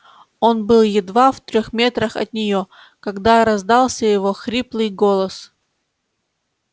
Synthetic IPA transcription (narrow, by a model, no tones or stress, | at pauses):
o̞nbɨlˠjɪd̪vaft̪ɾʲoxmʲe̞t̪ɾəxɐ̰t̪̚nʲɪjo̞ | kɐɡd̪aɾɐzd̪ɑlˠsʲəjɪvo̞xɾʲiplˠɨjɡolˠəs